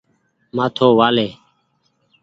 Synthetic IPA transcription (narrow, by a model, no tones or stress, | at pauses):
maːt̪ʰoːʋaːleː